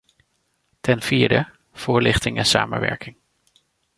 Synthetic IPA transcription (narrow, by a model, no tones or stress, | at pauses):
tɛnv̥iːɹdə | v̥ʊːɹlɪχtɪŋɛnsa̰ːmə̰nʋɛ̰ɹkɪŋ